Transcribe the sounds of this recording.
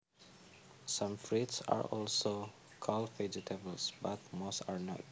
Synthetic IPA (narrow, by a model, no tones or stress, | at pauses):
sãmfɹitsa̰ɹɔlso | kʰɔlfɛd͡ʒitʰebəlsbat̪̚mosaɹnɔ̰t̚